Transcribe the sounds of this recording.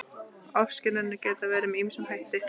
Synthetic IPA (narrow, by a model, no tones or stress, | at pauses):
ɔfscɪnaɪnːɪcɛːt̪avɛːɾɪmiːmisʏmhajht̪ɪ